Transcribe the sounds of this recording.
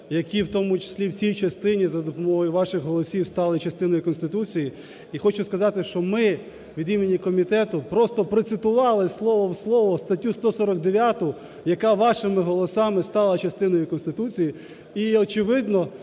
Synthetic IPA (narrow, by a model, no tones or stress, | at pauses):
jɐkʲiwt̪ɔmʊt͡ʃɪ̥sʲlʲiwt͡sʲsʲijt͡ʃɐst̪ɪnʲizɐd̪ɔpɔmɔɦɔjʊʋɑʃɪxɦɔlˠɔsʲiwst̪ɑlˠɪt͡ʃɐst̪ɪnɔjikɔnst̪ɪt̪ut͡sʲiji | ixɔt͡ʃʊskɐzɑt̪ɪʃt͡ʃɔmɪ | ʋʲid̪imʲinʲːikɔmʲit̪ɛt̪ʊpɾɔst̪ɔpɾɔt̪sɪt̪ʊʋɑlˠɪslˠɔʋɔwslˠɔʋɔst̪ɐtʲːust̪ɔsɔɾɔɡ̚d̪eʋʲjat̪ʊ | jɐkɑʋɑʃɪmɪɦɔlˠɔsɑmɪst̪ɑlˠɐt͡ʃɐst̪ɪnɔjʊkɔnst̪ɪt̪ut͡sʲiji | iɔt͡ʃɪʋɪd̪nɔ